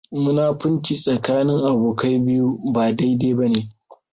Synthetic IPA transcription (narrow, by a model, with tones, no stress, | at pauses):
mʊ˦naː˦ɸʊ˦nt͡ʃi˨sʼɐ˨kaː˦nɪ˦ŋʔa˨boː˨ka˦jbɪ˦ju˦baː˨da˦jdeː˦bɐ˦neː˨